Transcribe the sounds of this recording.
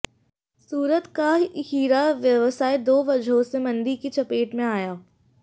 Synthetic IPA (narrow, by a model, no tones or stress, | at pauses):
suːɾət̪kahiːɾaʋjɐʋəsaːed̪oːʋɐd͡ʒʱɦõsemɐ̃nd̪ikit͡ʃɐpeːʈmẽaːjaː